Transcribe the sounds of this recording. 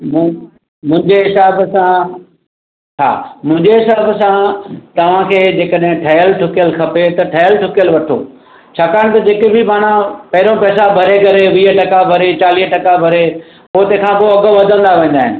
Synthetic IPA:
mʊ̃ | mʊ̃ɪ̃ɲd͡ʑeɦɪsaːbsã | t͡ɕʰa̰ːmʊ̃ɪ̃ɲd͡ʑeɦɪsaːbsãt̪ɐʋ̤ãkʰeːd͡ʑeːkəɗɦɪ̃ʈʰɐjəlʈʰʊkijəlkʰɐpet̪ɐʈʰɐjəlʈʰʊkijəlʋɐʈʰo̰ː | t͡ɕʰaːkaːɽ̃t̪ɐd͡ʑeːkebʱɪmaːɽ̃apɐɦɪɾõpɛːsabʱɐɾekɐɾeʋiːɦəʈɐkabʱɐɾet͡ɕaːliːɦʈɐkabʱɐɾe | ʊɦt̪ekʰãpoɐɡəʋɐd̪ʱə̃n̆d̪aʋẽːn̆d̪aːɦɪnɪ̆

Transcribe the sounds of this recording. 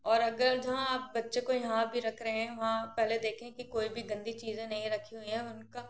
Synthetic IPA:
ɔːɾɐɡəɾd͡ʒɐɦãaːp̚bɐtːʃekojɐɦãbʱiɾɐkʰɾɐɦeɦɛ̃ʋɐɦãpɛɦled̪eːkʰẽkikoːibʱiɡɐ̃nd̪it͡ʃiːzẽnɐɦĩɾɐkʰːiɦʊiɦɛ̃ʊnkaː

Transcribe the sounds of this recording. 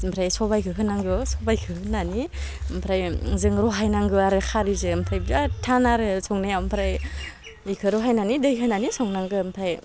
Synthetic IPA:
mpʰɾajsɔbajkʰɯɦɯnaŋɡɯsɔbajkʰɯhɯnːanimpʰɾajzɯŋɾɔɦajnaŋɡɯaɾɯkʰaɾizɯmpʰɾajbatʰanaɾɯsɔŋnajawmpʰɾaj | ikʰɯɾɔɦajnanidɯjɦɯnanisɔŋnaŋɡɯmpʰɾaj

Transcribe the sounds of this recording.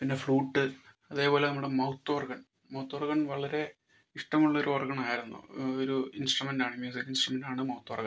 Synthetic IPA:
pinːe̞fɭuːʈːɨ | ɐðe̞ːpo̞ːlenɐmːuɽemɐwt̪ːɐʋɐrɡɐn | mɐwt̪ːɐʋɐrɡɐɳʋɐɭɐɾe̞ | iʂʈɐmuɭːɐo̞ɾuɐrɡɐɳaːjiɾunːṵoɾuinsʈrumendaːɳɨmjuːs̬ikːinsʈrumendaːɳɨmɐwut̪ːɐʋɐ̰rɡɐ

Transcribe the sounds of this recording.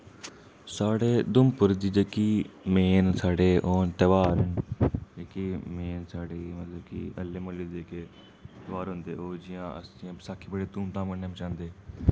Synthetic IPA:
saːɽeːd̪ʊmpʊɾd̪iːd͡ʒeːkiːmeːnsaːɽeːʔoːnt̪əʋaːɾəɳd͡ʒeːkeːmeːnsaːɽeːmət̪ləbkḭːəlːeːməleːeːkeː | t̪əʋaːɾɦʊ̃nd̪eːoːd͡ʒɪjãːə̰sĩːsaːkʰiːbəɽeːt̪uːmt̪ãːmkəneːmt͡ʃãːnd̪eː

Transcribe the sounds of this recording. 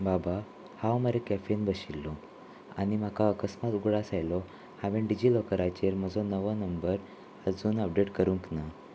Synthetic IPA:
baba | hãwməɾekæfenbəɕilːɔ | a̰ɽim̤akaəkəsmat̪uɡɽasajlɔ | haʋẽɳɖid͡ʑilɔkəɾajt͡ɕeɾm̤əd͡zɔnəʋənəmbəɾ | əd͡zuːnəp̚ɖeʈkəɾuŋkna

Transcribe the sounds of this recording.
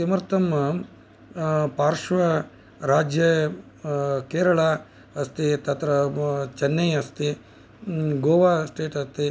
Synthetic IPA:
imɐɾt̪ɐmːɐ | paːɾʂʋɐ | ɾaːd͡ʒjɐ | keːɾɐɭa | ɐst̪it̪ɐt̪ɾɐt͡ʃɐnːɐjɐst̪i | ɡoːʋaːsʈeːʈɐst̪i

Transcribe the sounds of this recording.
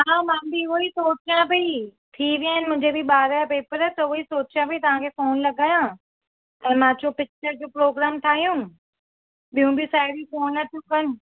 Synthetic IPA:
ɦãːmãːbʱiʊoisoːt͡ɕjãbʱit̪ʰiʋiaːənɪmʊ̃ɦɪ̃ɲd͡ʑebʱiɓaːɾajapeːpəɾɛt̪ɐʊisoːt͡ɕjãbit̪ɐʋ̤ãkʰefoːnlɐɡajã | ɛ̃ːmãt͡ɕopɪk̚t͡ɕəɾd͡ʑoːpɾoːɡɾaːmt̪ʰaːɦijũ | ɓijũbɪsaːɽifoːnɐt̪ʰjũkɐnɪ̆

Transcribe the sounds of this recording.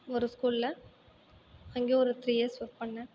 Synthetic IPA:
ɔɾɯskuːllɐ | ɐŋɡeːɔɾɯt̪ɾiːesʋɐkpɐɳːɐ

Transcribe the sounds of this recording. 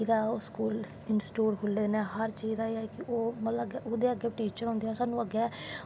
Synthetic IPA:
d̪aːoːskuːlsɪnsʈuːɽkʰʊlːeːnɛːɦəɾt͡ʃiːaːeːɛːkɪʔoːmələɡʊd̪eːəɡeːʈiːt͡ʃəɾɦɔ̃nd̪iːɛːsaːnũːəɡɛː

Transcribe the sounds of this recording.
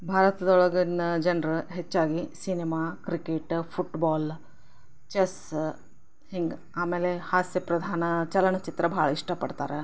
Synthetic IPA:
bʱaːɾɐt̪ɐd̪ɐɔɭɐɡɐnɐd͡ʒɐnɾɦet͡ʃːaːɡisinemaːkɾikeʈpʰuʈbaːl | t͡ʃɐs | hiŋɡ | aːmeːlehaːsjɐpɾɐd̪ʱaːnɐt͡ʃɐlɐɳɐt͡ʃit̪ɾɐbʱaːɭɐiʂʈɐpɐɖt̪a̰ːɾe

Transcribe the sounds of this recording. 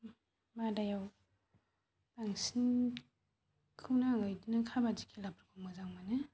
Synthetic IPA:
madajaw | baŋsin | kʰɯnaŋajdinakʰabazikʰilapɾikʰɔmazaŋmanɯ

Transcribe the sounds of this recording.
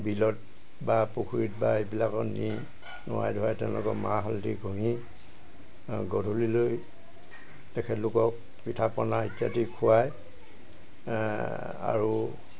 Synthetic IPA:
bilɔt̚ | bapukʰuɹit̚baebilakɔni | nʊ̰wa̰jdʱɔɹajtɛʊ̃lʊ̰kɔmaɦɔltiɡʱuɦi | ɡɔdʱuliloj | tɛkʰɛtlʊkɔk̚ | pitʰapɔnaitjatikʰuwaj | a̰ɹu

